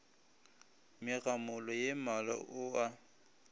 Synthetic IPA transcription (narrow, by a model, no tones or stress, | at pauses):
mɪɣamʊlɔjemalɔ̰ʔʊa